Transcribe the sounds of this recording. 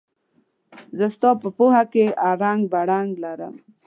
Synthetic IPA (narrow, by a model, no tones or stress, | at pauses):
zəst̪ɑpəpohakeaɾaŋɡbaɽaŋɡlaɾə̰m